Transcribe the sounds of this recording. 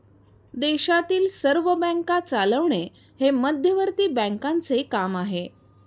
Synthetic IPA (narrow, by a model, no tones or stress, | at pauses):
d̪eɕat̪iːlsəɾʋəbə̃ŋkat͡saləʋɳe | heməd̪ʱjəʋəɾt̪iːbə̃ŋkant͡sekamaɦe